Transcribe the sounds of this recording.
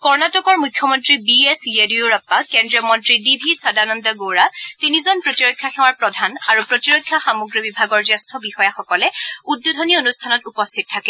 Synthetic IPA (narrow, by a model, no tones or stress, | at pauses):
kɔɹnatɔkɔɹmujkʰjɔmɔntɹibiesiedioɹɔpːakendɹiɔmɔntɹidibʱisadanɔndaɡoɹatinizɔnpɹotiɹojkʰːjaxɛwaɹpɹɔdʱanaɹupɹotiɹojkʰːjaxamɔɡɹibibʱaɡɔɹzastʰɔbixɔjaxɔkɔlɛudːudʱɔnionustʰanɔtupɔstʰit̚tʰːakɛ